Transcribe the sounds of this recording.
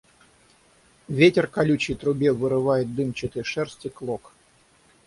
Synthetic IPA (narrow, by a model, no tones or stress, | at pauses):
vʲetʲɪrkɐlʲut͡ɕɪjt̪ɾʊbʲevɨɾɨvajɪt̪̚d̪ɨmt͡ɕɪt̪ɨjʂɛrsʲtʲɪklˠok